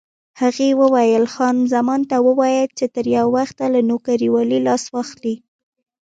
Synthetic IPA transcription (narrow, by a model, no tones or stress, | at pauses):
haɣewəwajəlxɑnzamɑnt̪awəwɑjəlt͡ʃet̪əɾjawːaxt̪alanokaɾiwɑlilɑswɑxli